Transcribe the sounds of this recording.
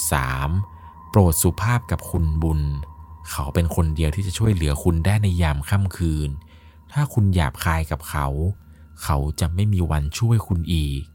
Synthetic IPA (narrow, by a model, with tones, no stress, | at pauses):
sa̰ː˩˦m | pɾoː˨˩t̪̚su˨˩pʰaː˥˩p̚ka˨˩p̚kʰu˧nbu˧nkʰa˦˥wpe˧nkʰo˧ndi˧əwt̪ʰiː˥˩a˨˩t͡ɕʰu˥˩əjlɯ˩˦ɐkʰu˧ndaː˥˩jna˧jːaː˧mkʰa˥˩mkʰɯː˧n | t̪ʰaː˥˩kʰu˧nja̰ː˨˩p̚kʰaː˧jka˨˩p̚kʰa˦˥w | kʰa˦˥wt͡ɕa˨˩ma˥˩jmiː˧wa˧nt͡ɕʰu˥˩əjkʰu˧nʔiː˨˩k̚